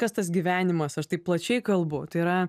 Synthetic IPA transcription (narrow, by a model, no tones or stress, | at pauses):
kɐst̪ɐsɡʲiʋʲæːnʲɪmɐsɐʃt̪ɐɪpplˠɐt͡ʃʲɛɪkɐlˠbʊt̪ɐɪɾɐ